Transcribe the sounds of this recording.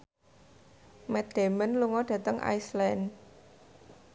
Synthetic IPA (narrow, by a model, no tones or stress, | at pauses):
mɛt̪d̪̥e̤mənluŋɔɖ̥ä̤t̪əŋʔa̰jslɛn